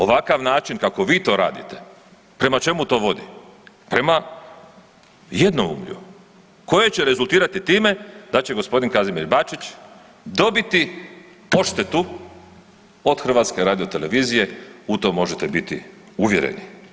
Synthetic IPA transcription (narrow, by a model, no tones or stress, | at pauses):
o̞ʋakaʋnaːt͡ʃinkako̞ʋiːt̪o̞ɾa̰ːd̪it̪e̞̥ | pɾe̞mat͡ʃe̞mut̪o̞ːʋo̞d̪ḭ | pɾe̞ma | jed̪noṵmʎṵ | ko̞je̞t͡ɕeɾe̞zulˠt̪iːɾat̪it̪iːme̞d̪at͡ɕe̞ɡo̞spo̞d̪inkazimiɾbat͡ʃit͡ɕ | d̪o̞bit̪i | o̞ʃt̪e̞t̪u | o̞d̪xr̩ʋaːt̪ske̞ɾaːd̪io̞t̪e̞le̞ʋiːzije̞ut̪o̞mo̞ʒet̪ebit̪ḭ | uʋje̞̰ɾḛni